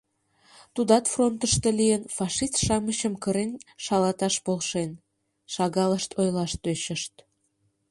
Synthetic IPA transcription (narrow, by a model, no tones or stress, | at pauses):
t̪ud̪ɑt̪front̪əʃt̪elijənfɑʃist̪ʃɑməɕəmkəɾenʃɑlɑt̪ɑʃpolʃen | ʃɑɣɑləʃt̪ʰojlɑʃt̪øɕəʃt̪